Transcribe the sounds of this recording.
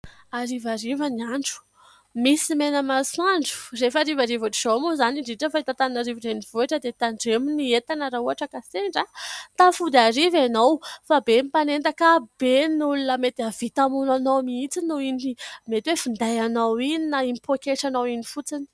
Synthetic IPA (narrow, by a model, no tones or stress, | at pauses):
aɾivaɾivəniaɳɖ͡ʐu̥ | misimenəmasaɳɖ͡ʐu̥refaɾivaɾivaʈ͡ʂiz̥omuzaniɳɖ͡ʐiʈ͡ʂəfait̪at̪ananaɾiviɾeniv̥uaʈ͡ʂəd̪et̪aɳɖ͡ʐeminiet̪anəɾauaʈ͡ʂəkaseɳɖ͡ʐat̪afud̪aɾivanowfabemipanent̪akab̥enulunəmet̪av̥it̪amunanowmiit͡sinuinimet̪wefund̪ajanawininaimipʰokeʈ͡ʂanowinifut͡sini̥